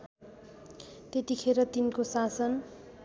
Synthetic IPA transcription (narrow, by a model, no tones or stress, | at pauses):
t̪et̪ikʰeɾʌt̪inkosasʌn